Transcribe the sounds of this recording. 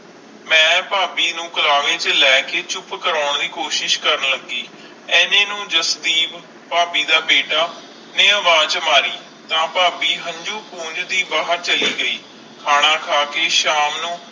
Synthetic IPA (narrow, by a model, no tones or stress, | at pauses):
mɛ̃ːpaːbiːnũːkəlaːʋẽːt͡ʃlɛːkeːt͡ʃʊpkəɾaːʊɳd̪iːkoːʃɪʃkəɾənləɡːiː | ɛːnẽːnũːd͡ʒəsd̪iːb | paːbiːd̪aːbeːɖaː | nẽːəʋaːt͡ʃəmaːɾiː | t̪ãːpaːbiːɦə̃ɲd͡ʒuːpũːɲd͡ʒd̪iːbaːɦəɾt͡ʃəliːɡəiː | kʰaːɽ̃ãːkʰaːkeːʃaːmnũː